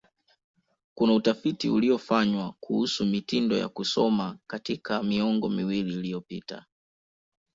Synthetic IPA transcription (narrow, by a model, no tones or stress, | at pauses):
kunautafitiuliɔfaɲwakʰuhusumitindɔja̰kusɔmakatikʰamiɔŋɡɔmiwililijɔpita̰